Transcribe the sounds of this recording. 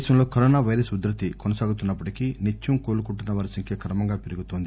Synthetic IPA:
ʃɐmlo̞ːkɐɾɔːnaːʋɐjɾɐsud̪ɾɐt̪ikonɐsaːɡut̪unːɐpːɐʈikinet͡ʃːumkoːlukuɳʈunːɐʋaːɾisɐŋkʰjɐkʰɐɾɐmɐŋɡaːpeɾuɡut̪oːnd̪i

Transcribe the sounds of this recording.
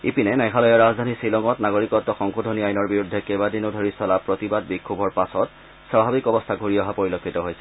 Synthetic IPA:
ipinɛnɛkʰalɔjɔɹazdʱanisilɔŋɔtnaɡoɹikɔtːɔxɔŋkodʱoniajnɔɹbiɹudʱːɛkɛbadinodʱoɹisɔlapɹotibad̚bikʰːubʱɔɹpasɔt | sɹabʱabikɔbɔstʰaɡʱuɹiɔɦapoɹilokʰːitɔɦojsɛ̥

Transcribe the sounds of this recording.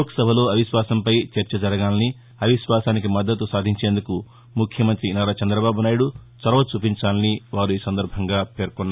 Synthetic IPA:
oksɐbʱɐlo̞ːɐʋiʃʋaːsɐmpɐjt͡ʃɐɾt͡ʃɐd͡ʒɐɾɐɡaːlɐni | ɐʋiʃʋaːsaːnikimɐd̪ːɐt̪usaːd̪ʱiɲt͡ʃe̞ːnd̪uku | mukʰjɐmɐnt̪ɾinaːɾat͡ʃɐnd̪ɾɐbaːbunaːjuɽut͡ʃɐɾɐʋɐt͡ʃuːpiɲt͡ʃaːlɐniʋaːɾuiːsɐnd̪ɐɾbʱɐŋɡaːpe̞ːɾkunːa

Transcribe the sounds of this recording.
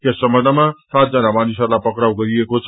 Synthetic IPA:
kesːʌmbʌnd̪ʱəmasat̪̚d͡zʌnamanisʌɾlajpʌkɽawɡʌɾiekot͡sʰʌ

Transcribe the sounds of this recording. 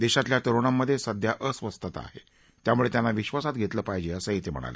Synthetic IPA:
d̪eɕat̪ljat̪əɾoɽ̃amːəd̪ʱːjesəd̪ʱjaʔəsʋəst̪ət̪a̰ɦḛ | t̪jamuɭet̪janːaʋiɕʋasat̪̚ɡʱet̪ləːpajd͡ʑeəsəit̪em̤ə̰ɽ̃a̰lḛ

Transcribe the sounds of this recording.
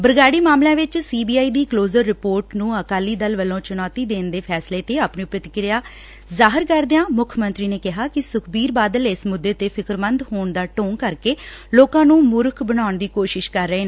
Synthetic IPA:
bəɾɡaːɽiːmaːmlãːʋɪt͡ʃsiːbiːaːiːd̪iːkloːzəɾːɪpoːɾʈnũːəkaːliːd̪əlʋəlõːt͡ʃʊnaːt̪iːd̪eːnd̪eːpʰɛːsleːt̪eːaːpneːpɾət̪ɪkɾɪjaː | zaːɦɪɾkəɾd̪eãːmʊkʰmənt̪ɾiːneːkɪɦaːkɪsʊkʰbiːɾbaːd̪əlɪsmʊd̪ːeːt̪eːpʰɪkɾmənd̪ɦoːɳd̪aːʈoːŋkəɾkeː | loːkãːnũːmʊɾkʰbəɽ̃aːʊɳd̪iːkoːʃɪʃkəɾːəeːnː

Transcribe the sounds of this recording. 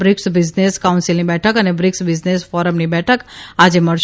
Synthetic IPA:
bɾɪksbɪd͡ʒneskawũnsilnibɛʈʰəkənebɾɪksbɪd͡ʒnesfɔɾəmnibɛʈʰəkad͡ʒeməɭʃ

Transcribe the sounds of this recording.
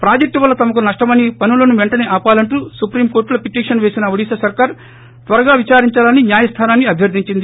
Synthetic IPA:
pɾaːd͡ʒɐk̚ʈuʋɐlːɐt̪ɐmɐkunɐʂʈɐmɐnipɐnulɐnuʋeɳʈɐneːʔaːpaːlɐɳʈuːsupɾiːmkoːɾʈlɐpiʈiːkʂɐnʋe̞ːsinɐʋoɽiːsɐsɐɾkaːɾ | t̪ʋɐɾɐɡaːʋit͡ʃaːɾiɲt͡ʃaːlɐnːinjaːjɐst̪ʰaːnaːnːiɐbʱjɐɾd̪ʱiɲt͡ʃind̪i

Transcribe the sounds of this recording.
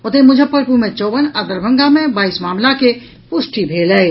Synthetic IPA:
ot̪emʊd͡ʒʱəpəɾpumẽt͡ʃɔːʋənad̪əɾbʱə̃ŋɡamẽbaːismaːmlake | pʊsʈibʱeːləj

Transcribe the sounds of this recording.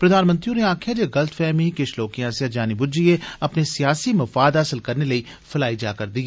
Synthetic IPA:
pɾɐd̪ʱaːnmə̃nt̪ɾijõneaːkʰjad͡ʒeɡɐlt̪ʰfɛːmikɪʃʰloːkijãseɐd͡ʒaːnibʊd͡ʒieɐpnesijaːsimɐfaːd̪ɦɐsəlkɐɾnelɐi | fʰɐlaːid͡ʒaːkɐɾd̪iɛ

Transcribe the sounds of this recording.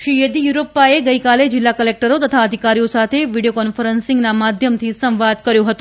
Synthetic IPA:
ʃijed̪ijuɾopːaeɡəjkaled͡ʒɪlːakəlek̚ʈəɾot̪ət̪ʰaəd̪ʱikaɾijosat̪ʰeʋiɖijokɔnfəɾənsɪŋɡnamad̪ʱjəmt̪ʰisə̃mʋad̪̚kəɾjoɦət̪ũ

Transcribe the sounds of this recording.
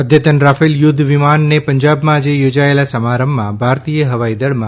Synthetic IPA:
əd̪ʱjət̪ənɾafiljʊd̪ʱʋimanːepəɲd͡ʒabmãːd͡ʒejod͡ʒaelasəmaɾəmːãbʱaɾt̪ijəɦəʋaid̪əɭmã

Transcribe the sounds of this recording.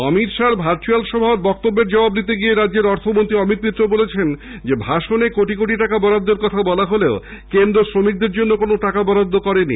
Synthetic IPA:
ɔmit̪ʃaɾbʱaɾt͡ɕualʃɔbʱaoɾ̚bɔk̚t̪obːeɾd͡ʑɔbabnit̪̬eɡieɾadːeɾɔɾt̪ʰomont̪ɾiɔmit̪̚mit̪ːɾobolet͡ɕʰend͡ʑebʱaʃonekoʈikoʈiʈakabɔɾad̪ːeɾkɔt̪ʰabɔlaɦoleokend̪ɾosɾomik̚d̪eɾd͡ʑonːokonoʈakabɔɾad̪ʱːokɔɾenḭ

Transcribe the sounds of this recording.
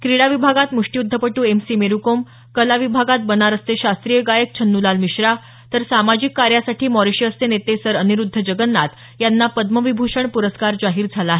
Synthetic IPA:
kɾiɽaʋibʱaɡat̪muʂʈiud̪ʱːəpəʈuːemsiːmeɾukom | kəlaʋibʱaɡat̪̚bənaɾəst̪eɕast̪ɾijəɡajək̚t͡ɕʰənːulalmiɕɾa | t̪əɾsamad͡ʑikːaɾjasaʈiːmɔɾiɕjəəst̪enet̪esəɾəniɾud̪ʱːəd͡ʑəɡənːat̪ | janːapəd̪məʋibʱuʂəɳpuɾəskaɾd͡zaɦiːɾd͡zʱalaːɦe

